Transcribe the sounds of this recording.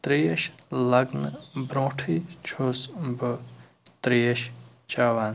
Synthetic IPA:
t̪ɾiːjɐʃlɐɡnbɾõːʈʰit͡ʃʰoːsbɨ | t̪ɾijeʃ | t͡ʃaːʋaːn

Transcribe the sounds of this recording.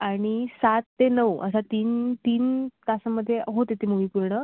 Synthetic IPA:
aɽ̃isat̪ːenəʋə̰sat̪iːnt̪iːnt̪asəməd̪ʱːjeɦot̪et̪im̤uʋipuɾɳə

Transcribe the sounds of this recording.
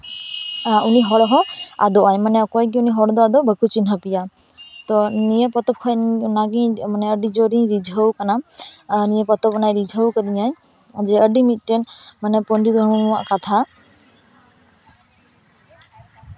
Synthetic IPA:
uniɦɔɽɔɦɔ̃a̰d̪ɔajmanɛɔkɔjkiuniɦɔɽd̪ɔad̪ɔbəkʰut͡ʃinɦəpija | t̪ɔnijepɔt̪ɔp̚kʰɔjnaɡĩmanɛəɖid͡ʒɔɾĩɾid͡ʒʱəwkananijepɔt̪ɔpnajɾid͡ʒʱəwkəd̪iɲaj | d͡ʒɛəɖimit̪̚ˀʈɛnmanɛpɔnɾid̪ɦaʔkat̪ʰa

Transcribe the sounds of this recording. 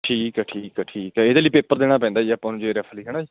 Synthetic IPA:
ʈʰiːkɛʈʰiːkɛʈʰiːkɛeːd̪eːliːpeːpəɾd̪eːɽaːp̬ɛ̃ːnd̪aːd͡ʒiːapːãːnũːd͡ʒeːɾɛːfʰəliːɦɛːɽ̃aːd͡ʒiː

